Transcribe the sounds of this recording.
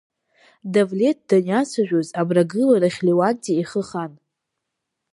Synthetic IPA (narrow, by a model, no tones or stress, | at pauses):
davlʲe̞t̚ʰdanat͡sʷʰaʒᶣʷozabraɡɨlaɾaχʲliwak̚tiiχəχan